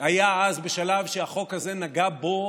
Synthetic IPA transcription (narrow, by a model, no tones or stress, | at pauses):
ajaazbeʃalavʃeaχo̞khaze̞naɡabo̞